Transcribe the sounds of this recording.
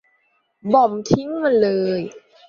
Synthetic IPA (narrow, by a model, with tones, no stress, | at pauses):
bɔ˨˩mt̪ʰi˦˥ŋma˧nlɤː˧j